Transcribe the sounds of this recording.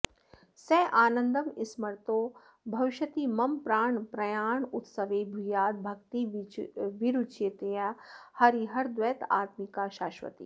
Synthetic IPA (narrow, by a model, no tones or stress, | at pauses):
sɛːʔaːnɐ̃nd̪ɐmɪsmɐɾt̪oː | bʱɐʋɪʃɐt̪imɐmpɾaːɳpɾɐjaːɳʊt̪sɐʋebʱujaːd̪̚bʱɐk̚t̪i | ʋiɾut͡ʃeːt̪ejahɐɾiɦɐɾd̪ʋeːt̪a̰ːt̪mikaːʃaːʃʋɐ̰t̪ḭː